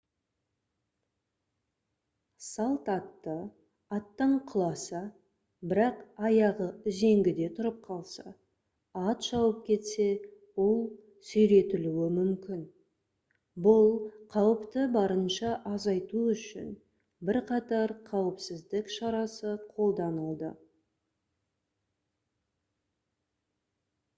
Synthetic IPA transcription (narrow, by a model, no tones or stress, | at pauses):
sɑlˠt̪ɑt̪ːə | ɑt̪ːəɴqʰəlˠɑsɑ | bɪɾɑqɑjɑʁəʏze̞ŋɡʲɪd̪e̞t̪ʰʊɾəp̚qʰɑlˠsɑ̰ | ɑt̪ʒ̥ɑwəp̚kʲʰe̞t̪se̞ | wo̞lˠ | sʏjɾe̞t̪ɪluwɪmʏmkʲɪn | bʊlˠqʰɑwəpt̪əbɑɾənʃɑʔɑzɑjt̪uʏʃɪ̰n | bɪɾqʰɑt̪ɑɾqʰɑwəpsɪzd̪ɪkʃɑɾɑsəqʰo̞lˠd̪ɑnəlˠd̪ə̰